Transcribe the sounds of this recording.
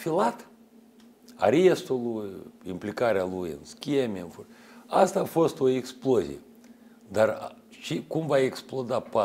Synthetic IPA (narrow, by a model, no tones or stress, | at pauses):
filat̪ | a̰ɾiest̪ulujimplikaɾealujɨ̰nskʲemeɨnfoast̪aːfo̞st̪o̞eksplozḭjḛ | d̪arʃikumvaeksplo̞d̪apa